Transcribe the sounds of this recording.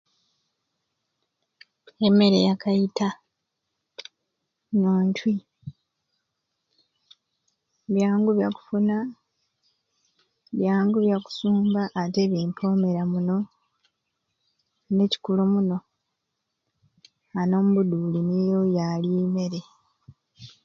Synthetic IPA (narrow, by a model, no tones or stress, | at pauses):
emːe̞ɾe̞jakʰajita | noːntwi | βjaːŋɡuβjaku̥funa | βjaːŋɡuβjaku̥suːmbaʔːte̞βjeːmpʰo̞me̞ɾamuno̞ | ne̞ci̥kulumuno̞ | ano̞ːmuβuduːlinijo̞jalime̞ɾe̞